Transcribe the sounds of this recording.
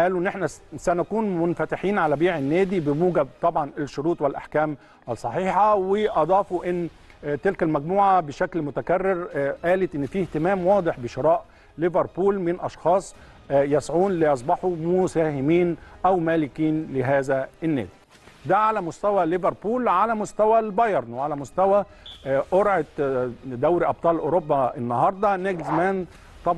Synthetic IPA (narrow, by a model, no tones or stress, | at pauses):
ʔæːluʔnːʔeħnæsænækuːnmʊnfæt̪ɪħiːnʕalæbiːʕɪnːæːd̪ibɪmuːɡæb̚t̪ˤɑbʕɑnɪʃːʊɾuːt̪ˤwɪlʔa̰ħkæːm | ʔælsˤːɑħiːħɑwɪʔɑd̪ˤɑːfuʔɪnː | t̪ɪlkælmæɡmuːʕabɪʃæklmʊt̪ækærːɪɾʔæːlɪt̪ʔɪnːfiːht̪ɪmæːmwɑːd̪ˤeħbɪʃɪɾˤɑːʔ | lɪveɾˤpuːlmɪnʔɑʃxɑːsˤ | jæsʕuːnlɪʔɑs̬ˤbɑħumʊsæːhɪmiːnʔæwmæːlɪkiːnlɪɦæːzæʔɪnːæ̰ːd̪i | d̪æʕalæmʊst̪æwælɪveɾˤpuːlʕalæmʊst̪æwælbɑjɑɾˤnʕalæmʊst̪æwæ | ʔoɾʕet̪d̪æwɾiʔɑb̚t̪ˤɑːlʔoɾobːɑʔɪnːɑɦɑɾˤd̪ˤɑneɡzmæn | t̪ˤɑb